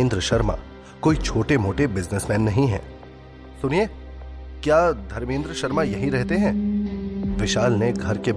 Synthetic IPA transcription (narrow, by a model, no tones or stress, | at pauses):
nd̪ɾəʃɐɾma̰ː | koːit͡ʃʰoːʈemoːʈebɪznəsmɛ̃ːnːɐɦĩɦɛ̰̃ː | sʊnie | kjaːd̪ʱɐɾmẽːnd̪ɾəʃɐɾmajɐɦĩɾɛɦt̪eɦɛ̃ː | ʋɪʃaːlneɡʱɐɾke